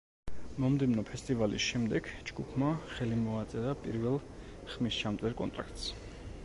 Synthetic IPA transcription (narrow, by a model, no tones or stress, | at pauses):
mɔmd̪ɛvnɔpʰɛst̪ʼivalḭsʃɛmd̪ɛɡd͡ʒɡupʰmaχɛlimɔat̪sʼɛɾapʼiɾvɛlˠ | χmist͡ʃʰamt̪sʼɛɾkʼɔ̰nt̪ʼɾa̰k̚ʰt̪ʼs